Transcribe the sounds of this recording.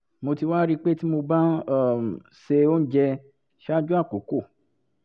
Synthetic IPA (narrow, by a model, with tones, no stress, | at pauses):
mo˧ti˧wa˦ɾi˦k͡pe˦ti˦mo˧ba˦˨ | se˧o˦n̩˦d͡ʒɛ˧ | ʃa˦d͡ʒu˦a˦˨ko˨˦ko˦˨